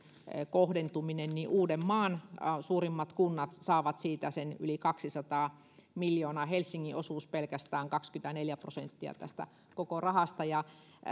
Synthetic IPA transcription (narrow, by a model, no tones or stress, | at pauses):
kohdent̪uminenniʔuːdemmɑːnsuːrimːɑt̪kunːɑt̪sɑːʋɑt̪siːt̪æsenylikɑksisɑt̪ɑː | miljoːnɑːhelsːiŋːiʔosuːspelkæst̪æːŋkɑkskyt̪æneljæpro̰sḛnt̪ːiɑ̰t̪æ̰st̪æ̰ | kokorɑhɑst̪ɑjɑ